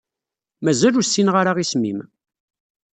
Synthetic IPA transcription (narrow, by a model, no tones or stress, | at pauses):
mæzælusːinʁaɾaʁismḭm